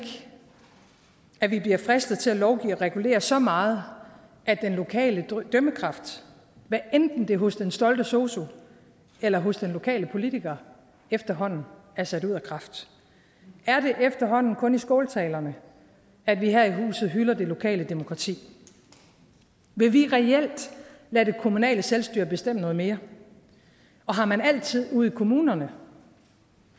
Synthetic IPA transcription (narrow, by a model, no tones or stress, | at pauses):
ɡ̥ | æʋib̥liɐfʁɛsd̥ð̩ˠt͡sʰe̝lælɒʊɡ̥ḭːɒʁɛɡ̥ule̝̰ːɐsɒ̽mɑ̈ːð̞̩ˠ | ʔæd̥enlo̝kʰɛ̰ːləd̥øməkʰʁɑ̈fd̥ | ʋæʔend̥n̩d̥e̝ɦɔ̽sd̥ensd̥ɒ̽ld̥əso̝ːso̝ | elɐɦo̽sd̥enlo̝kʰɛ̰ːləpʰo̝lit͡sʰiɡ̥ɐ | efd̥ɐɦɒ̽n̰n̩ | æɐsæɾuð̞̰ˠækʰʁɑ̈fd̥ | æɐde̝ʔefd̥ɐɦɒ̽n̰n̩kʰɔ̽nisɡ̥ɔːlt͡sʰɛːlɐnə | æd̥ʋiɦæɐ̰iɦṵːsð̩ˠɦylɐd̥e̝lo̝kʰɛ̰ːləd̥e̝mo̝kʰʁɑ̈t͡sʰḭː | ʋe̝ʋiʁɛel̰d̥læd̥e̝kʰo̝munɛ̰ːləselsd̥yɐ̰b̥e̝sd̥em̰ənɔ̽ːð̞̩ˠme̝ːɐ | ɒ̽ɦɑ̈mænæl̰t͡sʰið̞̰ˠuð̰ˠikʰo̝muːnɐnə